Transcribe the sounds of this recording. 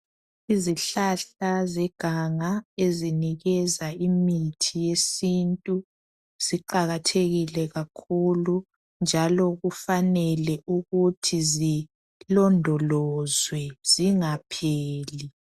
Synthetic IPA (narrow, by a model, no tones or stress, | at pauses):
iziɬaɬazɛɡ̥ʱaŋaeziniɣɛzaimitʰijesintʼu | z̥iǃaɣatʰeɣilɛɣakʰulu | nd͡ʒʱalɔɣufanɛlɛʔuɣutʰizi | lɔndʱɔlɔzwɛz̥iŋapʰeːli